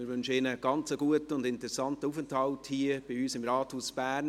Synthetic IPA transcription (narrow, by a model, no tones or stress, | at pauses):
mɪɾʋʏnʃəɪnəɡ̥ɑnt͡səɡuətəʊndɪntɾɛsɑntəuːfənthɑlthiːəb̥ɪyːsɪmɾɑːthuːsb̥æːrn